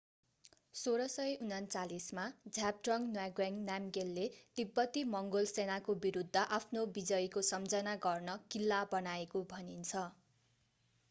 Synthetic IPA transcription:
soɾʌsʌjunʌnt͡salismad͡zʱab̚ʈrʌŋnwaɡwaŋnamɡelːed̪̥ibːʌt̪imʌŋɡolsenakobiɾud̪ʱːʌʔapʰnobid͡zʌjkosʌmd͡zʌnaɡʌrnʌkilːabʌnaekobʱʌnint͡sʰʌ

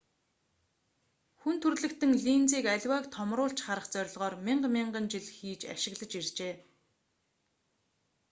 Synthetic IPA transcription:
xunt̪ʰɵrɮɘ̆kt̪ɘ̆ŋɮiːnt͡siːkæɮʲwæːkt̪ʰɔmrʊːɬt͡ɕχaɾə̆χt͡sœɾ̆ʲɮʁɔːrmiɴɢmʲiɴɢə̆nt͡ɕiɮxiːt͡ɕa̰ʃɪ̆ɣɮə̆t͡ɕirt͡ɕeː

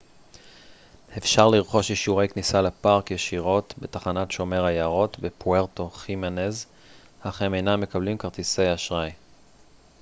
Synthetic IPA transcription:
hefʃaʁliʁχo̞ʃjiʃuʁe̞jknisalapaʁkjeʃiʁo̞tbe̞taχanatʃo̞me̞ʁajaʁo̞tbe̞pueʁto̞χimanez | haχeme̞jnamːe̞kablimkaʁt̪ise̞jaʃʁaj

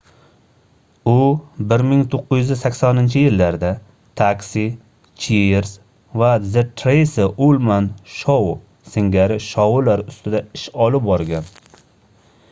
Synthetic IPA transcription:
ʊbɪɾmɪŋt̪ʰoqːʊjʏzɪzsakʲsɒnɪnt͡ʃʰɪjɪlːaɾd̪a | t̪ʰaksi | t͡ʃʰieɾs | vazɪt̪ʰɾejsɪolˠmanʃɒw | sɪŋɡʲaɾɪʃɒwulaɾʊst̪ɪd̪aɪʃɒlɪp̚bɒɾɡʲan

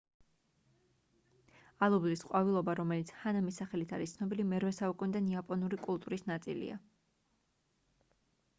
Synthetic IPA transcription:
alˠublisqʼwavilˠɔbaɾɔmɛlit̪sʰhanamisaχɛlit̪ʰaɾist̪sʰnɔbilimɛɾvɛsaukʼunid̪aniapʼɔnuɾikʼulˠt̪ʼuɾisnat̪sʼḭlḭa̰

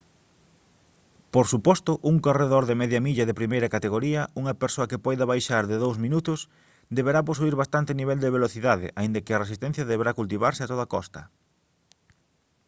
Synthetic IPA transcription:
poɾsupɔst̪ʊʔuŋkoreðoɾðemɛðjɐmiʎɐðɪpɾimejɾɐkat̪eɣoɾiɐuŋɐpeɾsoɐkɪpɔjðɐβajʃaɾðɪðowzmĩnut̪ʊs | d̪eβeɾap̬os̬uiɾβast̪ant̪ɪniβɛld̪eβ̞eloθiðaðɪ̰ʔaĩnd̪ɐkɪɐresist̪ɛ̃n̟θjɐðeβeɾakult̪̬iβaɾsɪat̪oðakɔst̪ɐ

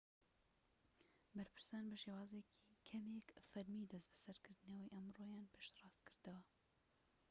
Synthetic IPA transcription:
bɐɾpʰɨ̥ɾsɑːnbɐʃewɑːzekʰi̥kʰɐmekfɐɾmid̪ɐst̪bɐsɐɾkʰɨɾd̪ɨnɐwɐjʔɐmrojaːnpʰeʃt̪rɑːst̪kʰɨɾd̪ɐwɐ

